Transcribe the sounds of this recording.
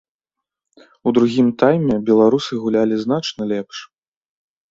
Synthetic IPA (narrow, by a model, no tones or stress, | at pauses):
ud̪ɾuɣʲimt̪ajmʲɛbʲɛlˠaɾusɨɣulʲalʲizn̪at͡ʂnɐlʲɛpʂ